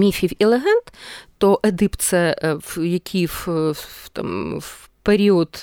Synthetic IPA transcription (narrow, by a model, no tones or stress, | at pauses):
mʲifʲiwʲilˠɛɦɛnt̪t̪oʔɐd̪ɨpt̪sɛvjɐkʲʰift̪a̰m | peɾʲiɔt̪